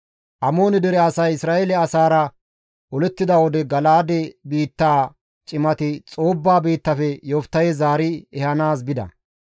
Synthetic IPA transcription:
ʔɐmo̞ːnɪd̪ɛɾɛɐsɐjɪsɾaːʔelɛɐsaːɾɐ | ʔɔlɛt̪ːɪd̪ɐwɔd̪ɛɡɐlaːd̪ɛbiːt̪ːaː | t͡ʃʼɪmɐt̪ɪt͡sʼo̞ːbːaːbiːt̪ːɐfɛjoft̪ːɐjɛzaːɾɪɛhɐnaːs̬bɪd̪ɐ̰

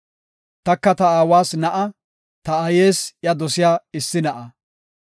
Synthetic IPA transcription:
t̪ɐkːɐt̪ɐaːwaːsnɐʔɐ | t̪ɐɐjeːsjɐd̪ɔsɪjaːɪsːɪnɐʔɐ

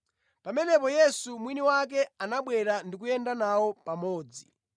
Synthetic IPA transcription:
pamɛnɛpɔjɛsumwiniwak̬ɛanaɓwɛɾandik̬ujɛndanawɔpamɔːd͡zi

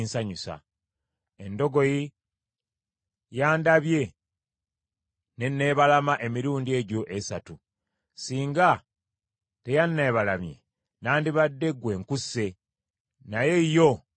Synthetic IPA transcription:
nsaɲusa̰ | e̞ndo̞ɡo̞ji | jaːndaβje̞ | ne̞nːe̞βalamaʔe̞miɾuːndie̞ɟo̞ʔesatu | siːŋɡa | te̞janːe̞ːβalamje̞̰ | naːndiβadːe̞ɡwe̞ːŋkuse̞ | naje̞ijo̞

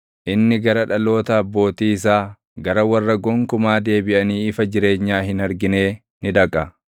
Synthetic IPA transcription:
ʔɪnːɪɡɐɾɐᶑɐlo̞ːt̪ɐɐbːo̞ːt̪iːɪs̬aː | ɡɐɾɐwɐrːɐɡɔŋkʊmaːd̪e̞ːbɪʔɐniːɪfɐd͡ʒɪɾe̞ːɲːaːɦɪnɐɾɡɪne̞ː | nɪᶑ̪ɐkʼɐ

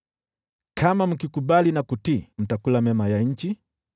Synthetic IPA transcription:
kʰamam̩kikuɓalinakutim̩takulamɛmajaɲ̩t͡ʃi

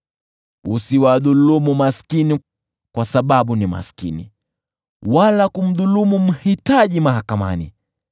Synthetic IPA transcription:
usiwaðulumumaskini | kwasaɓaɓunima̰skinḭ | walakum̩ðulumum̩hitaʄimahakama̰nḭ

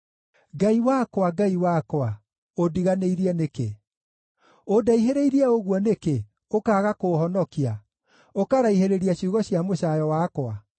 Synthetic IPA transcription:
ɡaiwakwaɡaiwakwa | odiɣaneiɾiɛnekḛ | odaiɦeɾeiɾiɛoɣwɔneke | okaːɣakohɔnɔkia | okaɾaiɦeɾeɾiaɕuɣɔɕjamoɕajɔwakwa

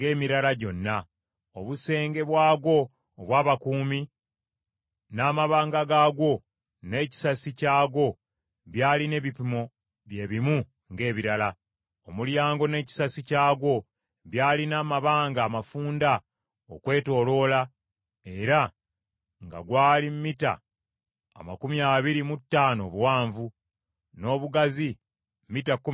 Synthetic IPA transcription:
ŋɡe̞ːmiɾalaɟo̞nːa | oβuse̞ːŋɡe̞βwaːɡo̞ː | βwaːβakuːmi | naːmaβaːŋɡaɡaːɡo̞ | ne̞ːci̥sasicaːɡo̞ | βjaːline̞βipimo̞ | βje̞ːβimu | ŋɡe̞ːβiɾala | o̞muljaːŋɡo̞ne̞ːci̥sasicaːɡo̞ | βjaːlinaːmaβaːŋɡaːmafuːnda | okwe̞ːto̞ːlo̞la | e̞ɾa | ŋɡa̰ɡwaːlimmita̰ː | ma̰kumjaːβiɾimutːaːno̞βwaːɱvu | no̞ːβuɡazi | mmitakː

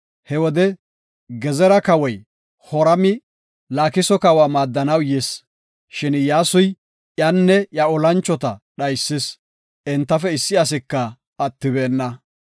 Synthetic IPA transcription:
hɛwɔd̪ɛ | ɡɛzɛɾɐkɐwɔj | hɔɾɐmɪ | laːkɪsɔkɐwaːmaːd̪ːɐnɐwjɛs | ʃɪnjaːsʊj | ʔjɐnːɛjɐɔlɐnt͡ʃːɔt̪ɐɗɐjsːɪs | ʔɛnt̪ːɐfɛɪsːɪɐs̬ɪkːɐː | t̪ːɪbeːnːɐ

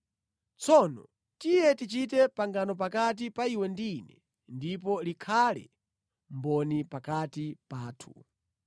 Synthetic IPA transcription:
t͡sʰɔnɔ̰ | tijɛtit͡ʃit̬ɛpaŋɡanɔpakat̬ipaiwɛndinɛ | ndipɔlikʰalɛ̰ | mbɔnipakatipaːtʰu̥

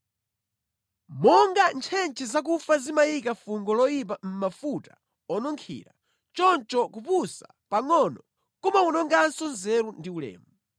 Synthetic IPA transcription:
mɔŋɡant͡ʃʰɛnt͡ʃʰɛzak̬ufazimajikafuŋɡɔlɔjip̬am̩mafutḁ | ɔnɔŋkʰḭːɾa | t͡ʃɔnt͡ʃɔkupusa | paŋɔnɔ | kɔmaunɔŋɡansɔnzɛɾundiulɛ̰ːmu

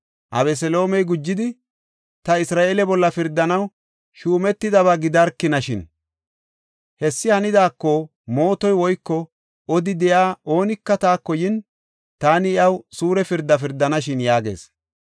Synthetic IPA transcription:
ʔɐ̰βɛs̬ɛlo̞ːmɛjɡʊd͡ʒːɪd̪ɪ | t̪ɐɪsɾaːʔeːlɛbɔlːɐfɪɾd̪ːɐnɐw | ʃuːmɛt̪ːɪd̪ɐβɐɡɪd̪ɐɾkːɪnɐʃɪn | hɛsːɪhɐnɪd̪aːkːɔ | mo̞ːt̪ɔjwɔjkːɔ | ɔd̪ɪd̪ɛjaːo̞ːnɪkːɐt̪aːkːɔjɪn | t̪aːnɪɪɐwsuːɾɛfɪɾd̪ːɐf̬ɪɾd̪ːɐnɐʃɪnjaːɡe̞̰ːs

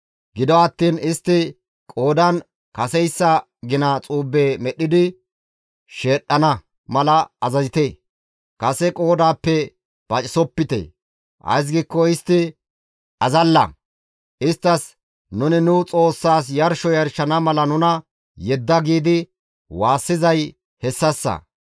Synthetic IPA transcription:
ɡɪd̪ɔɐt̪ːiːnɪst̪ːɪ | kʼo̞ːd̪ɐn | kɐsɛjsːɐ | ɡɪnɐt͡sʼuːbːeːmɛɗɪd̪ɪ | ʃe̞ːɗːɐnɐ | mɐlɐːzɐzɪt̪e | kɐsɛkʼo̞ːd̪aːpːɛ | b̥ɐt͡ʃʼɪsɔpːɪt̪ḛː | ʔɐ̰js̬ɡiːkːɔɪst̪ːɪ | ɐzɐlːɐ̰ | ʔɪst̪ːɐs | nʊnɪnʊt͡sʼo̞ːsːaːs̬jɐɾʃɔjɐɾʃɐnɐmɐlɐnʊnɐ | jɛd̪ːɐɡiːd̪ɪ | waːsːɪzɐj | hɛsːɐsːɐ̰

